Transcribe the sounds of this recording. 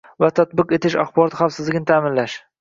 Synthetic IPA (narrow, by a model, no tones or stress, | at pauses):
vat̪ʰat̪̚bɪqe̞t̪ʰɪʃaχbɒɾɒt̪χafsɪzlɪɡʲnɪt̪ʰaːmɪnlaʃ